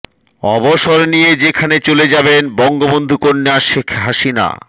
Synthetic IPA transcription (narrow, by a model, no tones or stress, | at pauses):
ɔboʃoɾnijed͡ʑekʰanet͡ɕoled͡ʑabenbɔŋɡobond̪ʱukonːeaʃekʰɦaʃina̰